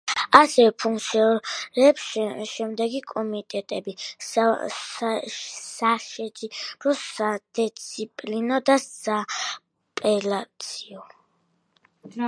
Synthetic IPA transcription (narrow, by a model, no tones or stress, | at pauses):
asɛvɛpʰuŋkt̪sʰiɾɛːpsʃɛmd̪ɛɡikʼɔmit̪ʼɛt̪ʼɛbi | saʃɛd͡ʒiɾɔsad̪̥ɛt̪sʰipʼlinɔd̪asa | pʼɛlat̪sʰiɔ